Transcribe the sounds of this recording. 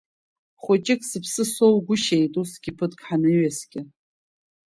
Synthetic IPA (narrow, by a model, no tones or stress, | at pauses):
χʷʊt͡ʃʼɪkʼsɨpʰsɨsowɡʷʊʃejtʼusɡ̥ʲɪpʰɨtʼkʰʼħanɨɥasɡʲɪ